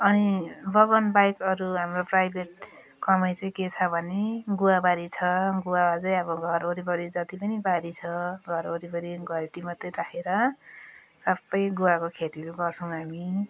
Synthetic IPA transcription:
ʌnibʌɡʌnbajkʌɾuɦamroprajbʱeʈ̚ | kʌmʌjt͡sʌj̃ket͡sʰʌbʱʌneɡuabaɾit͡sʰʌɡuwawad͡zʌjʌbʌɡʱʌɾoɾibʌɾid͡zʌt̪ipʌnibaɾit͡sʰʌɡʱʌɾoɾibʌɾiɡʌɾeʈimʌt̪ːʌjɾakʰeɾʌ | sʌbʌjɡuwakokʰet̪iɾuɡʌrt͡sʰʌw̃ɦami

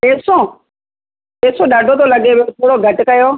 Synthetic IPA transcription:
peːsõː | peːsõːɗaːɖʱoːt̪̬oːlɐɠeʋɪjot̪ʰoːɽoːɡʱəʈkəjoː

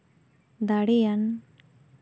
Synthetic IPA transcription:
d̪aɽejan

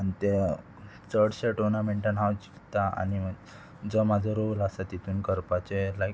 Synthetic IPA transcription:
anit̪e | t͡səɽɕeʈuɾnameɳʈãnɦawt͡ɕi̥kt̪aa̰ñi | d͡zɔmad͡zʱaɾolasat̪it̪ʰuːnkəɾpat͡ɕela

